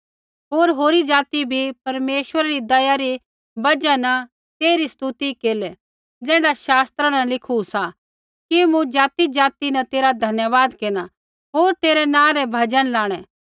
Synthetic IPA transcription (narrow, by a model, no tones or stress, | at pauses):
ɦoːɾɦoːɾid͡ʒaːt̪ibʱipɐɾmeːʃʋəɾaɾid̪ɐjaɾi | bɐd͡ʒanɐ | t̪eːɾist̪ut̪ikeːlɛ | d͡zɛːɽaʃaːst̪ɾanɐlɪkʰusa | kimũd͡ʒaːt̪id͡ʒaːt̪inɐt̪eːɾad̪ʱɐnjəʋaːd̪keːna | ɦoːɾt̪eːɾɛnãːɾɛbʱɐd͡ʒənlaːɽ̃ɛː